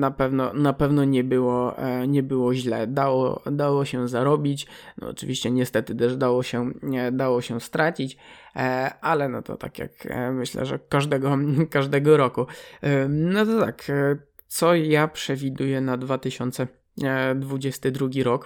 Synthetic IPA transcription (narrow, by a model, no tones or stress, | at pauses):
napɛvnɔnapɛvnɔɲɛbɘwɔɲɛbɘwɔʑlɛ̰d̪awɔ̰d̪awɔɕɛzaɾɔbʲit͡ɕnɔ̰ɔ̰t͡ʂɨvʲiɕt͡ɕɛɲɛst̪ɛt̪ɘt̪ɛʐd̪awɔɕɛd̪awɔɕɛst̪ɾat͡ɕit͡ɕ | alɛnɔ̰t̪ɔ̰t̪a̰kʲja̰kmɘɕlɛ̰ʐɛ̰ːaʐd̪ɛɡɔkaʐd̪ɛɡɔɾɔku | nɔt̪ɔt̪ak | t̪sɔjapʂɛvʲid̪ujɛnad̪vat̪ɘɕɔnt̪sɛ | d̪vud͡ʑɛst̪ɘd̪ɾuɡʲiɾɔk